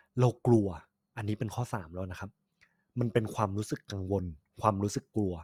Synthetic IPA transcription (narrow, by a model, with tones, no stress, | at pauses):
ɾa˧wklu˧ɐ | ʔa˧nːi˦˥pe˧nkʰɔː˥˩saː˩˦mlɛː˦˥˩wna˦˥kʰa˦˥p̚ | ma˧npe˧nkʰwaː˧mɾuː˦˥sɯ˨˩kːa˧ŋwo˧nkʰwaː˧mɾuː˦˥sɯ˨˩kːlu˧ɐ